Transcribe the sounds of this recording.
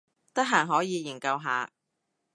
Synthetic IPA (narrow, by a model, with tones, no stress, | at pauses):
t̪ɐ˥k̚ɦaː˨˩ŋɦɔː˨˥jiː˨˧ji˨˩ŋkɐ˧wɦa̰ː˨˧